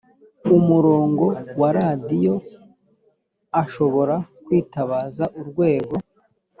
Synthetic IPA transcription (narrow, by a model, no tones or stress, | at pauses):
umuɾo̞ːŋɡo̞waɾadijo̞ | aʃo̞βo̞ɾakwiːtaβaːzaʔuɾɡwe̞ːɡo̞